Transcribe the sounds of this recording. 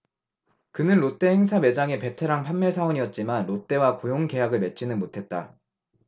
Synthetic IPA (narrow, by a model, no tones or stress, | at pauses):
kɯnɯnɾot͈e̞heŋs̬ʰame̞d͡ʑaŋe̞pe̞tʰe̞ɾaŋpʰanːeɭsʰaoɲiʌt̚t͡ɕ͈imanɾot͈e̞wakojoŋke̞jaɡɯɭme̞t͡ɕ͈ʰinɯnmotʰe̞t̚t͈a